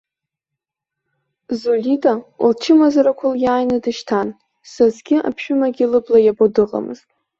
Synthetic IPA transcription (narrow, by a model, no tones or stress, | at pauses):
zolʲitʼaṵlt͡ʃʰɪmazaɾakʷʰʊljaːjnɨdɨʃtʰan | sazɡʲɪʔa̰pʰʃᶣʊmaɡʲilɨblajabodɨqʼa̰mɨ̰ztʼ